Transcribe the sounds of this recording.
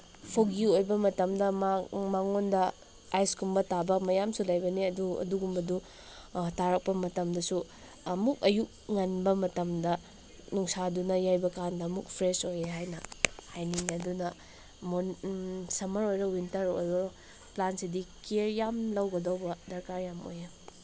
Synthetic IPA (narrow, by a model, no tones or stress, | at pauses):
pʰoɡiojbɐmɐtɐmdɐmamaŋondɐ | ajskʰumbɐtabɐmɐjamsulajbɐniɐduɐ̰duɡumbɐdu | taɾɐk̚pɐmɐtɐmdɐsu | ɐmuk̚ɐjuk̚ŋɐnbɐmɐtɐmdɐ | nuŋsadunɐjajbɐkandɐɐmuk̚pʰɾesojeɦajnɐhajniŋɐdunɐ | monsɐmɐɾojɾɐwintɐɾojɾo | plansidikeɾjamlɐwɡɐdɐwbɐdɐɾkaɾjamo̰je